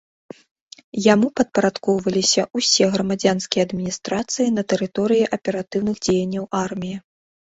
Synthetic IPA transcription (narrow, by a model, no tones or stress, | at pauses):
jamupɐt̪̚pɐɾat̪kɔwvɐlʲisʲɐʔusʲɛɣɾɐmad͡zʲanskʲijɛɐɐd̪mʲinʲist̪ɾat̪sɨjinɐt̪ɛɾɨt̪ɔɾɨjiʔɐpʲɛɾat̪ɨwnɨɣd͡zʲejɐnʲːɐwʔarmʲiji